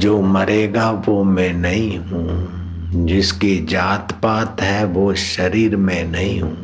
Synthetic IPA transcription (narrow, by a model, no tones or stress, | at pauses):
d͡ʒoːmɐɾeːɡaʋomɛ̃nɐɦĩɦũː | d͡ʒɪsked͡ʒaːt̪paːt̪ɦɛʋoʃɐɾiːɾmẽnɐɦĩɦṵ̃ː